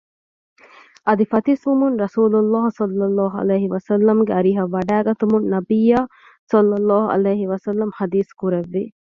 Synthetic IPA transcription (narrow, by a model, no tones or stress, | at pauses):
ɐd̪ifɐt̪isʋumunɾɐsuːlulːaːɦsɐlːɐlːɑːɦuɐ̰leːɦiʋɐsɐlːɐmɡeɐɾiɦɐʋːɐɖaːɡɐt̪umunnɐbijaː | sɐlːɐlːɔːɦuʔɐ̰leːɦiʋɐsɐlːɐmhɐd̪iːskuɾeʋːi